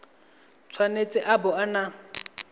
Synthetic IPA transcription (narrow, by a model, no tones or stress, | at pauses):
t͡sʰwanet͡sʼɪʔabʊana